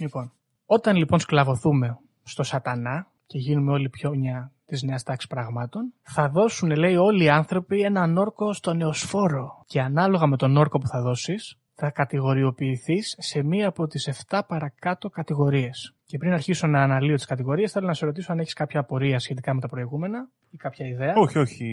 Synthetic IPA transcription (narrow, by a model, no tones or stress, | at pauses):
lipo̞n | o̞t̪ɐnlipo̞nsklɐvo̞θume̞ | st̪o̞sɐt̪ɐnɐ | ce̞ʝinume̞o̞lipço̞ɲɐt̪izne̞ɐst̪ɐksi̥spɾɐɣmɐt̪o̞nθɐðo̞sune̞le̞io̞liɐnθɾo̞pie̞nɐno̞ɾko̞st̪o̞ne̞osfo̞ɾo̞ce̞ɐnɐlo̞ɣɐme̞t̪o̞no̞ɾko̞puθɐðo̞sis | θɐkɐt̪iɣo̞ɾio̞piːθisːe̞miɐːpo̞t̪ise̞ft̪ɐpɐɾɐkɐt̪o̞kɐt̪iɣo̞ɾie̞sce̞pɾinɐɾçisonɐːnɐlio̞t̪i̥skɐt̪iɣo̞ɾie̞sθe̞lo̞nɐseɾo̞t̪isoɐneçiskɐpçɐːpo̞ɾiɐsçe̞t̪ikɐmet̪ɐpɾo̞iɣume̞nɐ | ikɐpçɐiðe̞ɐoçioçi